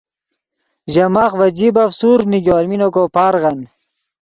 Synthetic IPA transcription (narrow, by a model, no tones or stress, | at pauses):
ʑɐmaːχwɐd͡ʑibɐfsuɾniɡʲowalminokopaːɾʁɐn